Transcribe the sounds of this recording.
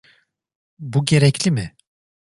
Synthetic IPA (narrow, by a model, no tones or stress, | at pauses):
buɟe̞ɾɛcʰlʲimɪ